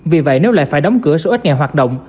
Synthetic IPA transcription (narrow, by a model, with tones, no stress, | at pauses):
vi˨˩və̰˧˨jne˨˦wla̰ː˧˨jfaː˧˩jɗɔ˨˦wŋ͡mkɨ˧˩əso˧ʔt̚ŋɛ˨˩ɦwaː˨˩t̚ɗə̰˧˨wŋ͡m